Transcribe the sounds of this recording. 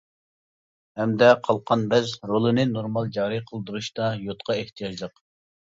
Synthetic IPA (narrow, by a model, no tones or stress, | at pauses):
hɛmd̪ɛqʰɑlˠqʰɑnbɛzɾolˠɨnɨnoɾmɑlˠd͡ʒɑːɾiqʰəlˠd̪uɾuʃt̪ɑjot̪qʰɑeht̪ʰijɑd͡ʒlˠəq